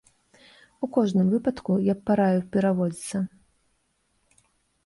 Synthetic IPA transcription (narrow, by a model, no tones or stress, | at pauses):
ukɔʐnɨmvɨpɐt̪kujapːaɾajupʲɛɾavɔd͡zʲit̪sɐ